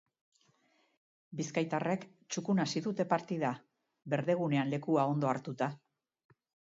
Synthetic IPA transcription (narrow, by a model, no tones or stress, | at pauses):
biskajt̪are̞k | t͡ʃukunasiðut̪e̞paɾt̪iða | βe̞ɾðe̞ɣ̞une̞anle̞kuao̞nd̪o̞aɾt̪ut̪a